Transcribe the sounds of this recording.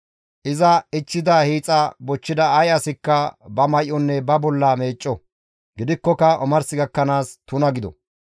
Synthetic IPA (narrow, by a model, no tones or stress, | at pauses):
ʔɪzɐɪt͡ʃːɪd̪ɐhiːt͡sʼɐbɔt͡ʃːɪd̪ɐɐjɐsɪkːɐbɐmɐjʔɔnːɛbɐbɔlːɐme̞ːt͡ʃʼːɔ | ɡɪd̪ɪkːɔkɐʔɔmɐɾsɪɡɐkːɐnaːst̪ʊnɐɡɪd̪ɔ̰